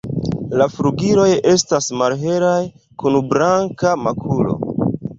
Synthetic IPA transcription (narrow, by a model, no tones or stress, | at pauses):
lafɾuɡiɾo̞je̞stasmalɦe̞ɾaj | kunbɾaŋkamakʰulo̞̰